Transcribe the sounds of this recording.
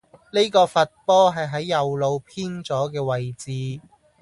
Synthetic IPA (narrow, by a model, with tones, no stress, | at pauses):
ne˥kɔː˧fɐ˨t̚pɔː˥ɦɐ˨jɦɐ˨˥jːɐ˨wlo˨˧wpʰiː˥nt͡sɔː˨˥k̬ɛː˧wɐ˨jt͡siː˨˧